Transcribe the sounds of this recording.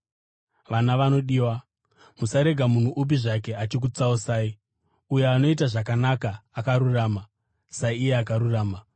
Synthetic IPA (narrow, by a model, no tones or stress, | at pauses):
ʋanaʋano̞ɗiːwa | musaɾe̞ɡʱamun̤uʔup̬iʐake̞at͡ʃik̬ut͡sausaːi | uje̞ano̞it̬aʐakanakaːkaɾuraːma | saije̞akaɾuraːma